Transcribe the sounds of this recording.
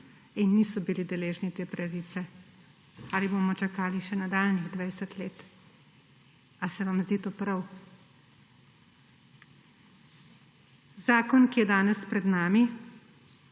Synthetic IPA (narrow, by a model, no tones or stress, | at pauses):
inːisɔbilid̪ɛleːʒnit̪eːpɾaʋiːsɛ | aːliboːmɔt͡ʃakaːliʃɛnad̪aːlniɣd̪ʋajsət̪leːt̪ | asɛʋamzd̪iːt̪oːpɾaw | zaːkɔnkijɛd̪aːnɛspɾɛd̪naːmi